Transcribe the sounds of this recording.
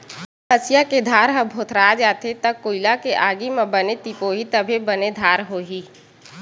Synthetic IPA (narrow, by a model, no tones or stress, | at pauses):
əsɪjaked̪ʱaːɾɦəbʱoːt̪ʰɾaːd͡ʒaːt̪ʰet̪əkːoːɪlakeʔaːɡimẽbənet̪ipoːɦit̪əbʱebəned̪ʱaːɾɦoːɦiː